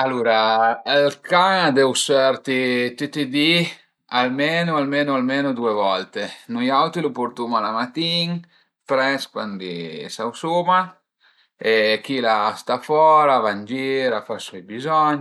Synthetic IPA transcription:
alːuːɾalkaŋad̪ɛwsɛɾt̪it̪et̪ed̪i | almenoalmenʊalmenod̪uevɔlt̪enujawt̪ɾilupoɾt̪umalamat̪iŋ | pɾɛskwand̪ḭsawsuma | ek̟ilast̪afɔːɾavand͡ʒeiɾafasɔjbizɔɲː

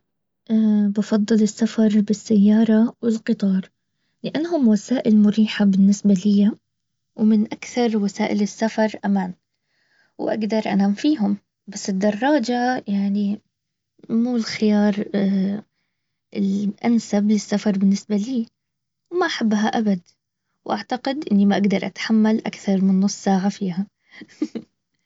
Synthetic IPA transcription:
ʔabɑfɑd̪ˤːɨlɪsːafɑɾˤbɪsːajːɑːɾˤɑwɪlqɨt̪ˤɑːɾˤ | lɪʔanːɦʊmwasaːʔɪlmʊɾiːħabɪnːɪsbalɪja | wmɪnʔakθɑɾˤwasaːʔɪlɪsːafɑɾˤʔamaːn | wʔa̰ɡd̪ɑɾˤʔa̰naːmfiːɦʊm | basːɪd̪ːɑrˤːɑːd͡ʒajaʕni | muːlxɪjɑːɾˤ | ɪlʔansablɪsːafɑɾˤbɪnːɪsbaliː | wmaʔaħabːɦaʔabad̪ | wʔaʕt̪aqɪd̪ʔɪnːimaʔaɡd̪ɑɾˤʔat̪ḁħamːalʔakθɑɾˤmɪnːʊsˤːsaːʕafiːha

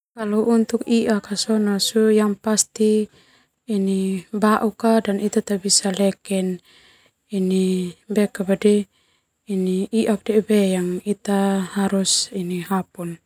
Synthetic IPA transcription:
kaluʔunt̪ukiʔakasɔnasujaŋpast̪iː | nibaʔukadanit̪at̪abisalɛkɛn | inibɛkabadɛ | iniiʔak̚dɛbɛjaŋit̪ahaɾusiniɦapun

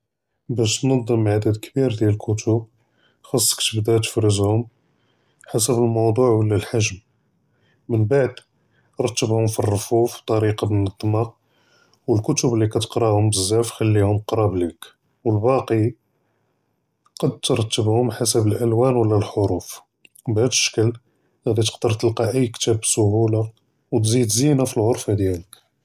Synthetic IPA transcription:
bæʃt̪nɑd̪ˤːəmʕad̪əd̪kbiɾd̪jæləlkʰʊt̪ʰʊb | xɑsˤːə̥kt̪əbd̪æt̪ə̥fɾəzhʊm | ħasəbəlmɑwd̪ˤuʕwəlːælħaʒm | mənbaʕd̪ | ɾˤt̪ːəbhʊmfirːofufb̚t̪ˤɑɾiqɑbənət̪ˤːmɑq̚ | wəlkʊt̪ʊblːikæt̪ə̥qɾˤɑhʊmbəzːæfxəlːihʊmqɾˤɑblik | wəlbɑqi | qɑd̪̚t̪ɾˤɑt̪ːəbhʊmħasəbəlʔælwænwəlːælħoɾuf | bhæd̪əʃə̥kəl | ɣæd̪it̪ə̥qd̪əɾˤt̪əlqɑʔəjːkːt̪æbsʊɦula | wt̪zid̪zinafilɣoɾˤfad̪jælək

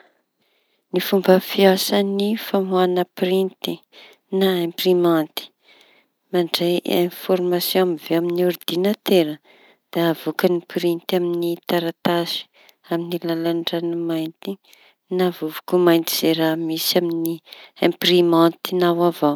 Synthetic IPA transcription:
nifumbəfiasənifamuanəprint̪i | naẽmprimant̪i̥ | maɳɖ͡ʐejẽfɔrmasjõamiveaminiuɾd̪̥inat̪eɾə | d̪̥eavokənipɾint̪aminit̪aɾat̪asi̥ | aminilalanɖ͡ʐanimajnt̪i | navuvukumajnt̪iz̥eɾamisaminiẽmprimãnt̪inawava

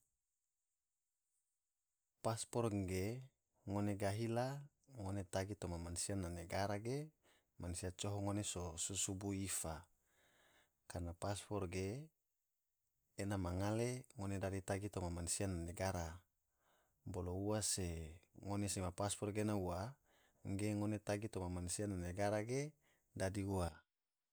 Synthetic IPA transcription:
paspɔrɡe | ŋoneɡaɦila | ŋonet̪aɡit̪omamansianːaneɡaɾaɡe | mansiat͡ʃoɦoŋonesosusubuifa | karnapaspɔrɡe | namaŋaleŋonedadit̪aɡit̪omamansianːaneɡaɾa | bolouaseŋonesimapaspɔrɡenaua | ŋɡeŋonet̪aɡit̪omamansiananeɡaɾaɡe | dadiua

